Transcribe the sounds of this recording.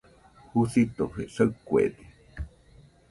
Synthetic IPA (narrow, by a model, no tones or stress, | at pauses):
husit̪oɸesəkuḛd̪i